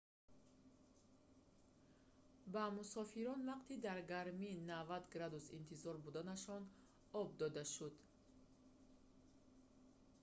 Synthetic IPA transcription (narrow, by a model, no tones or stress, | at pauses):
bamusɔfiɾɔnvaqt̪ʰid̪aɾɡaɾminavad̪ɡɾad̪usḭnt̪ʰizɔɾbud̪anaʃɔn | ɔb̚d̪ɔd̪aʃud̪